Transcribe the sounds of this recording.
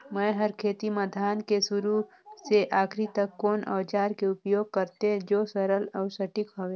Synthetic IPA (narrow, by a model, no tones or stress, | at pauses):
mɛ̃ːɦəɾkʰeːt̪iməd̪ʱaːnkesʊɾu | seʔaːkʰɾit̪ɐkkːoːnɐ̰ʋt͡ʃaːɾkeʊpjoːɡ̚kɐɾt̪ẽd͡ʒoːsɐɾəlɔːsɐʈɪkɦoːʋeː